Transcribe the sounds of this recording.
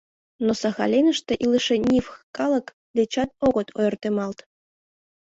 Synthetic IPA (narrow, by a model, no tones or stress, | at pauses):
nosɑxɑ̰lʲenə̆ʃt̪eʔiləʃenʲifkɑlˠɤ̆k | d̪et͡ɕɑt̪̚oɣɤ̆t̪ʰo̰jɤrt̪emɑlt̪